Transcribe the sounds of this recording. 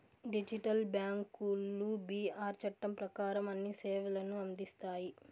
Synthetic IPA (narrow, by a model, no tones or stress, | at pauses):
ɖid͡ʒiʈɐlbjaːŋkulːubiːaːɾt͡ʃɐʈːɐmpɾɐkaːɾɐmɐnːiseːʋɐlɐnuɐnd̪ist̪aːji